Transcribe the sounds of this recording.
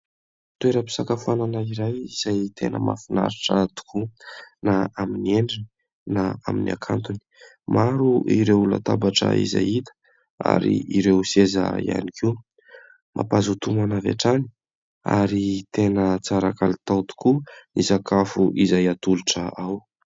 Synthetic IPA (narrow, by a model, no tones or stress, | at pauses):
t̪ueɾəpi̥sakafuananaiɾajiz̥ajt̪ʰenə̰ma̰fina̰ɾiʈ͡ʂat̪u̥kʰunaaminieɳɖ͡ʐini | naaminʔa̰kʰant̪uni̥ | maɾuiɾeula̰t̪abaʈ͡ʂə̰ḭza̰jit̪ə̥ | a̰ɾḭiɾewseza̰ia̰nikʰiw | mʔa̰pazut̪umanavḛʈ͡ʂani̥ | a̰ɾit̪enət͡saɾakalit̪awt̪u̥kunizakʰafuʔizajat̪uluʈ͡ʂəaw